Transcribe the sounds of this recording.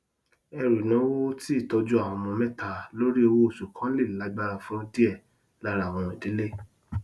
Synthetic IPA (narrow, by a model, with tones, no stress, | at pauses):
ɛ˧ɾu˨nã˨˦wo˦ti˦i˦˨tɔ˧d͡ʒu˦a˦˨wɔ̃˧mɔ̃˧mɛ̃˦ta˦˧lo˦ɾi˦o˧wo˦o˦˨su˨kʰã˨˦le˦˨la˨˦ɡ͡ba˦˧ɾa˧fũ˦ti˦ɛ˦˨ | la˦ɾa˦˨w̃ɔ̃˨˧˨di˨˦le˦